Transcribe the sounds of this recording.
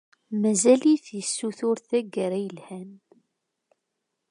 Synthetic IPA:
mæzæliθjəsːuθʊɾθæɡəɾæjəlhæn

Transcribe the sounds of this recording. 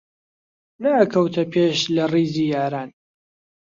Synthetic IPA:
naʔɐkʰɐwt̪ʰɐpʰeːʃlɐriːzijaːɾaːn

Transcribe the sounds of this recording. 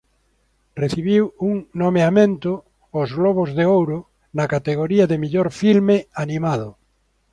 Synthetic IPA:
reθiβiwuŋnomeamẽnt̪ʊ | ozɣloβ̞ozðeowɾʊ | nakat̪eɣoɾiaðemiʎoɾfilmeanĩmað̞ʊ

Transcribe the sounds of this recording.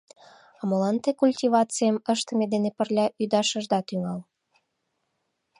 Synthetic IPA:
ɑmə̆lɑnt̪ekulʲtʲivɑt͡sɨjəməʃt̪ə̆med̪enepə̆rlʲɑʔyd̪ɑʃə̆ʒd̪ɑt̪yŋɑl

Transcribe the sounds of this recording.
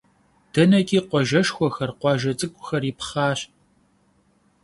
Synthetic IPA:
d̥ɐnɐkʼiːqʷɔʒɐʃxʷɔxɐrqʷɑːʒɐt͡sʼɨkʷʼʊxɐripχɑːɕ

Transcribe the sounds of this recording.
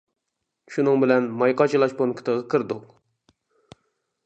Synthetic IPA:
ʃunɨŋbɪlɛnmɑjqɑt͡ʃʰilˠɑʃponkʰɨ̥t̪ʰəʁəkʰɨɾd̪ʊq

